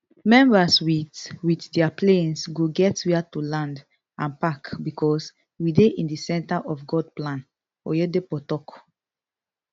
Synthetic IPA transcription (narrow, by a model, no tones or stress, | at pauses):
mɛ̃mbaswiwitdiaplẽnsɡoɡɛtwiatulãnd | ãnpakbikʰɔs | wideʔĩndisɛ̃ntaʔɔfɡɔd̚plãn | ɔ̰jɛdepɔtɔk